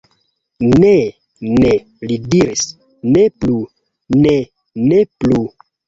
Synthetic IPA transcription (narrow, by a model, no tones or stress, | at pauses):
ne | ne | lidiɾis | neplu | ne | neplu